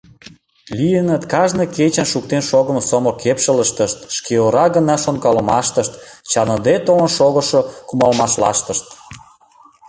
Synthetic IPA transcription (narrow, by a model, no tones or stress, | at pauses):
lijənət̪kɑʒnɤ̆ket͡ɕənʃuk̚t̪enʃoɣə̆msomokepʃələʃt̪əʃt̪ʃkeoɾɑɣənɑʃonkɑlə̆mɑʃt̪əʃt̪t͡ɕɑnɤ̆d̪et̪olənʃoɣə̆ʃokumɑlmɑʃlɑ̰ʃt̪əʃt̪